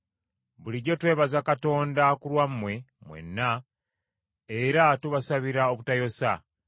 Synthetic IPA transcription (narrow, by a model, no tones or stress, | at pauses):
βuliɟo̞twe̞ːβazakato̞ːndakulwamːwe̞mwḛnːa | eɾatuβasaβiɾao̞βutajo̞sa